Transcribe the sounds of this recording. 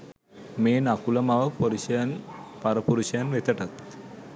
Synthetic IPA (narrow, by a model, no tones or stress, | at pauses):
meːnakulɐmaʋɐpoɾinpaɾɐpuɾuʃɐjɐnʋet̪ɐʈɐt̪̚